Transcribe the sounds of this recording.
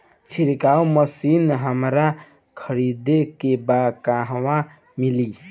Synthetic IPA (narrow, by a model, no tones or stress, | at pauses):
t͡ʃʰiɾkauməsinɦəmɾa | kʰəɾid̪ekebakaɦwa | mili